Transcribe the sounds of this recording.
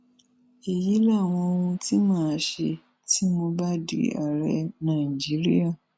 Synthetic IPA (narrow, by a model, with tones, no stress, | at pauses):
e˨ji˨˦la˦˨w̃ɔ̃˧o˧hũ˧ti˦mãː˦˨ʃe˧ | tʰi˦mo˧ba˦dḭ˦a̰˨ɾɛ˧˦nã˨ĩ˨d͡ʒi˨˦ɾḭ˦a˦˨